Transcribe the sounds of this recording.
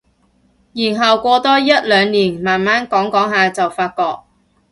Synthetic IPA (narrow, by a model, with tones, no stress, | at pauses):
jiː˨˩nɦɐ˨wkʷɔː˧t̪ɔː˥jɐ˥t̚lœː˨˧ŋniː˨˩nmaː˨nmaː˥nkɔː˨˥ŋkɔː˨˥ŋɦaː˧t͡sɐ˨˩wfaː˧t̚kɔː˧k̚